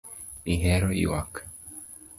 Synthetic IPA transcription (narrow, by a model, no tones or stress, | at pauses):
iɦɛɾoḭwak